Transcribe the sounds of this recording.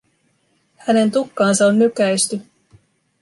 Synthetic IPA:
hæne̞nt̪ukːɑːnsɑonːykæjst̪y

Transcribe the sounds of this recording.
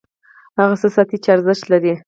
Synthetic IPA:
haɣasəsɑt̪it͡ʃaɾzəʃt̪laɾi

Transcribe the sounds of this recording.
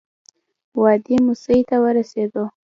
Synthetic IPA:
wɑd̪imusəjt̪awəɾased̪o

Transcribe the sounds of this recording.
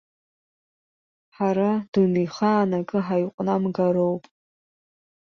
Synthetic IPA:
ħaɾad̥unijχaːnakʼɨħajqʷʼnamɡaɾowpʼ

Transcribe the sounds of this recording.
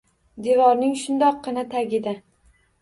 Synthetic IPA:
d̪evɒɾnɪŋʃʊnd̪ɒqːɨnat̪ʰaɡʲɪd̪ɪ

